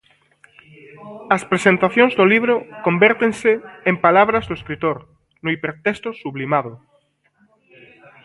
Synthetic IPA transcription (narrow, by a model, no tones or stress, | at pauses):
ɐspɾesẽnt̪aθjõŋzðoliβ̞ɾokombɛɾt̪eŋseːmpalaβɾazðʊeskɾit̪oɾ | nʊipeɾt̪est̪osuβlimaðo